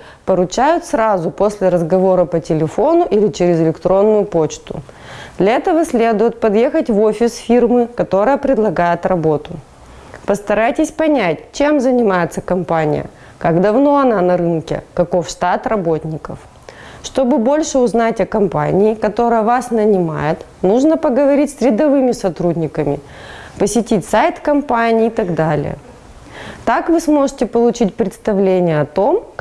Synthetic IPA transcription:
pəɾʊt͡ɕæjʊt̪sɾazʊpo̞sʲlʲɪɾəzɡɐvo̞ɾəpətʲɪlʲɪfo̞nʊʔilʲɪt͡ɕɪɾʲɪzɪlʲɪkt̪ɾo̞nːʊjʊpo̞t͡ɕt̪ʊ̰ | d̪lʲɐɛt̪əvəsʲlʲe̞d̪ʊjɪt̪̚pɐd̪je̞xətʲvo̞fʲɪsfʲirmɨkɐt̪o̞ɾəjəpɾʲɪd̪lˠɐɡajɪt̪rɐbo̞t̪ʊ | pəst̪ɐɾajtʲɪsʲpɐnʲæt̚ʲt͡ɕe̞mzənʲɪmajɪt̪səkɐmpanʲɪ̰jə̰ | kaɡd̪ɐvno̞ɐnanɐɾɨnkʲɪ̰kɐko̞fʂt̪at̪rɐbo̞tʲnʲɪkə̰f | ʂt̪o̞bɨbo̞lʲʂɨʊznatʲɐkɐmpa̰nʲɪːkɐt̪o̞ɾɨjəvasnənʲɪma̰jɪt̪ | nuʐnəpəɡəvɐɾʲitʲsʲɾʲɪd̪ɐvɨmʲɪsɐt̪ɾudʲnʲɪkəmʲɪ̰ | pəsʲɪtʲitʲsajt̪kɐmpanʲɪːt̪ɐɡd̪alʲɪ̰jə̰ | t̪akvɨsmo̞ʐɨtʲɪpəlˠʊt͡ɕitʲpɾʲɪt̪st̪ɐvlʲenʲɪjəɐt̪o̞m

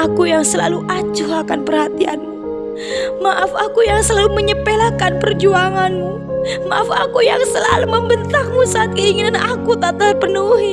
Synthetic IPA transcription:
akujaŋsəlaluʔat͡ʃuakanpərhat̪ia̰nmu | maʔafakujaŋsəlaluməɲəpelakanpərd͡ʒuaŋanmu | maʔafa̰kujaŋsəla̰luməmbənt̪aŋmusaːt̪̚kəiŋinanakut̪at̪ərpənuɦi

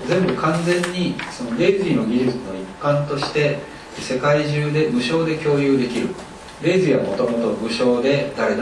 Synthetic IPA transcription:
zẽ̞mbɯ̟kãnd͡zẽ̞ɲ̟ːiso̞no̞ɾe̞ːzɨiːno̞ɡʲiʑɨt͡sɨno̞ipːãnt̪o̞ɕi̥t̪e̞ | se̞kaiʑɨːd̪e̞mɯ̟ɕo̞ːd̪e̞kʲo̞ːjɯ̟ːd̪e̞kʲiɾɯ̟ | ɾe̞ːzɨiβa̰mo̞t̪o̞mo̞t̪o̞mɯ̟ɕo̞ːd̪e̞d̪aɾe̞d̪a

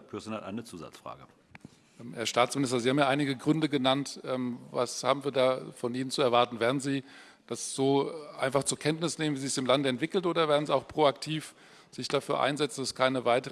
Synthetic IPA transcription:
pʰyɐsnatʔa̰ɪnət͡suːza̰t͡sfʁ̥a̰ːɡə | ʔɛhɛːɐʃtaːt͡smɪnɪstɐzihaːbm̩jaːʔaɪnɪɡəɡʁʏndəɡənantʔɛːmva̰sha̰ːbm̩viːɐdaːfɔnʔiːnənt͡suɛɐvaɐtn̩vɛːɐdn̩ziː | d̥asz̥oːʔa̰ɪnfaχt͡suːɐkʰɛntnɪsneːmənviːzɪçsɪmlandɛntv̥ɪkl̩tʔoːdɐvɛːɐdn̩ziːaʊxpʁ̥oːaktʰiːf | z̥ɪçd̥afyːɐʔa̰ɪnzɛt͡sn̩daskʰaɪnəvaɪtəʁ

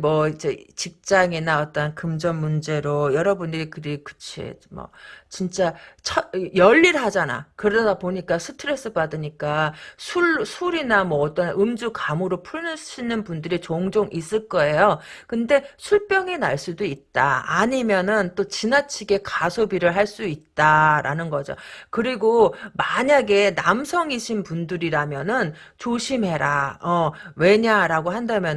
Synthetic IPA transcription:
mwʌid͡ʑe̞t͡ɕik̚t͡ɕ͈aŋinaʌt͈ʌnkɯmd͡ʑʌnmund͡ʑe̞ɾojʌɾʌbundɯɾikɯɾikɯ̥t͡ɕʰḛmʌ̰t͡ɕint͡ɕ͈at͡ɕʰʌjʌʎːiɾɦad͡ʑana̰kɯɾedadapoɲik͈asʰɯtʰɯɾe̞s͈ʰɯbadɯɲik͈asʰusʰuɾinamwʌːt͈ʌnɯmd͡ʑukamoɾopʰuɭnɯɕʰinɯnpundɯɾit͡ɕoŋd͡ʑoŋʔis͈ɯɭk͈ʌe̞jokɯnde̞sʰuɭp͈jʌŋinaɭs͈udoit̚t͈a̰a̰ɲimjʌnɯnt͈ot͡ɕinat͡ɕʰiɡe̞kasʰobiɾɯɭɦaɭs͈uit̚t͈aɾa̰nɯnɡʌd͡ʑo̰kɯɾiɡomaɲaɡe̞namsʰʌŋiɕʰinpundɯɾiɾamjʌnɯn | t͡ɕoɕʰimɦe̞ɾaʌwe̞ɲaɾaɡoɦandamjʌn

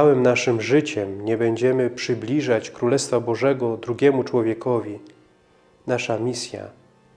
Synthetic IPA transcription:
awɘmnaʂɘmʐɘt͡ɕɛmɲɛbɛɲd͡ʑɛmɘpʂɘblʲiʐat͡ɕkɾulɛst̪fabɔʐɛɡɔd̪ɾuɡʲɛmut͡ʂwɔvʲjɛkɔvʲi | naʂamʲisʲja̰

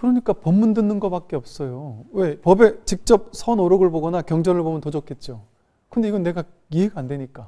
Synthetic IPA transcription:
kɯɾʌɲik͈apʌmːundɯnːɯnɡʌpak͈̚e̞ʌp̚s͈ʌjowe̞pʌbe̞t͡ɕik̚t͡ɕ͈ʌp̚sʰʌnoɾʌɡɯɭboɡʌnakjʌŋd͡ʑʌnɯɭbomjʌntod͡ʑʌk͈ʰe̞t̚t͡ɕ͈o | kɯnde̞iɡʌnːe̞ɡa | iɦeɡaːndweɲik͈a

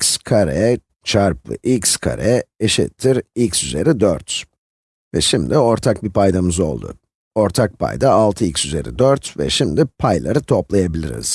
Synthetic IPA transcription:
icskʰaɾɛ | t͡ʃʰaɾpɯ̰ʔikskʰa̰ɾɛeʃḭt̪ʰːiɾicsyze̞ɾid̪øɾt̪ | vɛ̰ʃimd̪io̞ɾt̪ʰak̚bipʰajd̪amɯzo̞̰lˠd̪ʊ̰ | o̞ɾt̪ʰak̚pʰa̰jd̪aːlˠt̪ʰɯilcsyze̞̰ɾḭd̪øɾt̪vɛ̰ʃimd̪ipʰajlˠa̰ɾɯt̪ʰo̞plˠajabilʲḭɾḭz̥

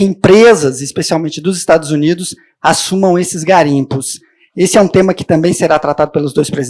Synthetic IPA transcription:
ẽmpɾezɐzɪspesiawmẽnt͡ʃɪd̪ʊzɪst̪ad̪ʊzunid̪ʊs | asũmɐ̃w̃esɪzɡaɾĩpʊs | esɪɛũt̪ẽmɐkɪ̥t̪ɐ̃mbẽj̃seɾat̪ɾat̪ad̪ʊpelʊzd̪ojspɾez

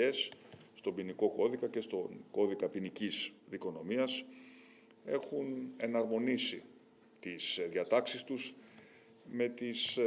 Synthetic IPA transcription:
e̞sːt̪o̞biniko̞ko̞ðikɐce̞st̪oko̞ðikɐpinicisðiko̞no̞miɐs | e̞xune̞nɐɾmo̞nisi | t̪isðiɐt̪ɐksist̪us | me̞t̪is

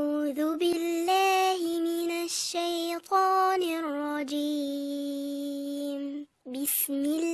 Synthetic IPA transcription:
ðʊbɪlːaːhɪmɪnaʃːajt̪ˤʰɑːnɪrˤːɑd͡ʒiː | m | bɪsmɪl

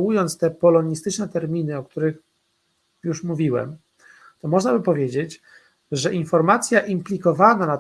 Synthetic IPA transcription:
wujɔnt̪st̪ɛpɔlɔɲist̪ɘt͡ʂnɛt̪ɛɾmʲinɘɔk̚t̪uɾɘx | juʂmuvʲiwɛ̰m | t̪ɔmɔʐnabɘpɔvʲjed͡ʑet͡ɕ | ʐɛʔinfɔɾmat̪sʲjaʔimplʲikɔvanana

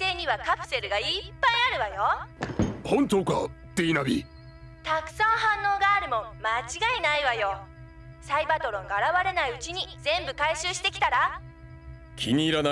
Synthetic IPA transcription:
se̞ːɲ̟iβakapɯ̟̥se̞ɾɯ̟ɡaipːajiaɾɯ̟βajo̞ | hõnt̪oːka̰t̪einabʲḭ | t̪akɯ̟̥sãnhãnːo̞ːɡaːɾɯ̟mõ̞mmat͡ɕiɡainaiβajo̞ | saibat̪o̞ɾõ̞ŋɡaːɾaβaɾe̞naiɯ̟t͡ɕiɲ̟izẽ̞mbɯ̟kaiɕɨːɕi̥t̪e̞kʲi̥t̪aɾa | kʲʰiɲ̟iːɾana

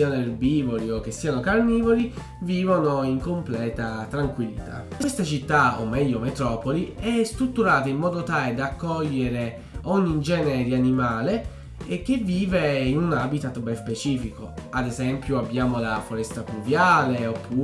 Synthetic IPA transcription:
ianoerbiːvoliok̟ːesːiːanokarniːvoli | viːvonoiŋkomplɛːt̪at̪ɾaŋkwilːit̪ʰa̰west̪at͡ʃit̪ːao̰mːɛʎːomet̪ɾɔːpoliɛst̪ɾut̪ːuɾaːt̪aimːɔːd̪ot̪aːled̪akːɔʎːeɾe | ɔɲːid͡ʒɛːnɛɾianimaːle | ek̟eviːveinunabit̪at̪bɛspet͡ʃiːfikoad̪ezɛmpjuabːjaːmolafoɾɛst̪akluvjaːleopːuː

